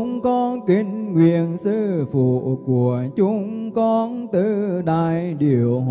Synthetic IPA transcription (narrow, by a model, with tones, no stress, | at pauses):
ŋ͡mkɔ˧˩kï˧˩ŋ̟ŋwi˧˨ənsɨ˧fṵ˧˨˩ku˧˩ət͡ɕʊ˨˦ŋ͡mkɔ˧nt̪ɨ˨˧˩ɗaː˧˨˩jɗi˨˩əw